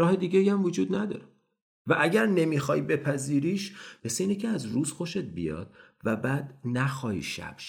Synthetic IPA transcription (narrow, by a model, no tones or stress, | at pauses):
ɾɒːhe̞d̪iːɟeiæmvod͡ʒuːd̪næd̪ɒ̰ːɾe | væʔæɟæɾne̞miːxɒːjbe̞pʰæziːɾiːʃmeseiːnicʲʰeæzɾuːz̥xo̞ʃe̞t̪̚bḭjɒ̰ːd̪̥̚ | væbæːd̪̥næxɒːjḭʃæ̰b̥ʃ